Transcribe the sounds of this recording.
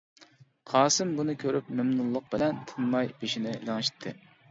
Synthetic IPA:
qʰɑːsɨmbunɨkʲʰøɾypmɪmnulˠːʊq̚bɪlɛnt̪ʰɨnmɑjb̥eʃinɪlɪŋɨʃi̥t̪ʰːɨ̰

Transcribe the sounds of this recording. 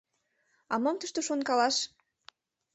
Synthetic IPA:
ɑməmt̪əʃt̪oʃonkɑlɑʃ

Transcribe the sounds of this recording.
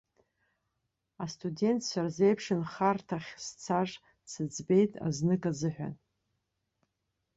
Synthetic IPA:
astʰʼude̞ntʰʼʃʷarzejpʰʂɨnχartʰaχʲst͡sʰaʐ | sɨd͡zbe̞jtʼa̰znɨkʼazɨħʷᶣa̰n

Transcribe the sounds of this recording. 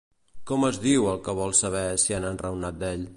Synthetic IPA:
kɔməzðiwəlˠkəβɔlˠsəβ̞ɛsianənrəwnat̪̚d̪ɛʎ

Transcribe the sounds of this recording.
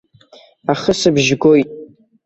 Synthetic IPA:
aχəsɨbʒɡʷo̞jtʼ

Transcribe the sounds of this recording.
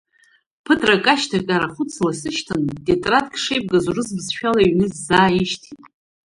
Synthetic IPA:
pʰɨdʰʼrakʼaʃtʰakʲʼaɾaχʊt͡sʰlasɨʃtʰandʼetʼrat̚ʼkʰʼʂejb̚ʼɡazurɨzbzʃᶣalaiɥnɨzzaːjiʃtʰitʼ

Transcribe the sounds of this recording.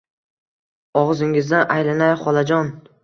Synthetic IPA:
ɒʁzɪŋɪzd̪anʔajlanajχɒlˠad͡ʒɒn

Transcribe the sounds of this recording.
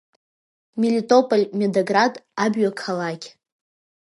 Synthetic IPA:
milʲitʼo̞pʼolʲmʲedoɡradabɥakʰalakʲ

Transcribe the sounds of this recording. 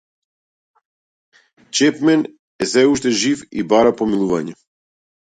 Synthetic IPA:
t͡ʃɛpmɛn | ɛzɛuʃt̪ɛʒifḭbaɾapomilˠuvaɲɛ

